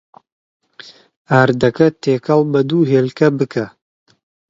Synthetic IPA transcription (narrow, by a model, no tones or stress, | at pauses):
aːɾd̪ɐkɐt̪eːkɐlbɐd̪uːɦeːlkɛbɨkɛ